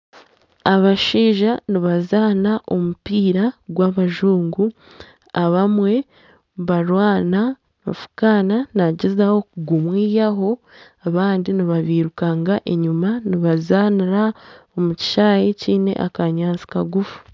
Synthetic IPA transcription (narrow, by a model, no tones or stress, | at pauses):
aβaʃiːʒaniβazaːnaʔo̞mupiːɾaɡwaβaʒuːŋɡu | aβamwe̞ | βaɾwaːna | mafu̥kaːnanaɟezaho̞kuɡumwiːjaɦo̞ | aβaːndiniβaβiːɾukaŋɡaʔeɲumaniβazaːniɾaomuci̥ʃaːjeciːne̞̰ʔa̰kaɲaːnt͡si̥kaɡufu̥